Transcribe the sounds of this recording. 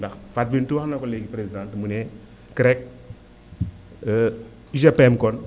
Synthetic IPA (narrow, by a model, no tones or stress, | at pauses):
daxfat̚bintuwanakɔleɡipɾezidãntmune | kəɾɛk̚ | iʃapɛmkɔn